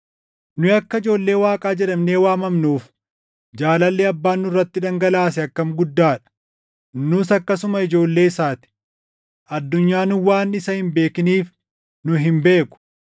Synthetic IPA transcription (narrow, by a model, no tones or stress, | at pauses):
nʊɐkːɐɪd͡ʒo̞ːlːe̞ːwaːkʼaːd͡ʒɛᶑɐmne̞ːwaːmɐmnuːf | d͡ʒaːlɐlːeːɐbːaːnːʊrːɐt̪ːɪᶑɐŋɡɐlaːs̬ɛɐkːɐmɡʊd̪ːaːᶑɐ̥ | nʊsɐkːɐsʊmɐɪd͡ʒo̞ːlːe̞ːɪsaːt̪ɪ̥ | ʔɐd̪ːʊɲːaːnʊwaːnɪsɐhɪmbe̞ːkɪniːf | nʊɦɪmbe̞ːkʊ̥